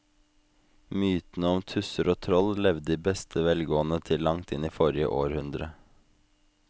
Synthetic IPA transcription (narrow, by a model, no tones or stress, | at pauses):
myːt̪n̩əɔmt̪ʰʉsəɾoːt̪ʰɾɔllɛʋd̪iːbɛst̪ʰəʋɛlɡoːn̩ət̪ʰɪllɑŋt̪ʰɪniːfɔɾɪə̰ʔoːɾhʉnd̪ɾə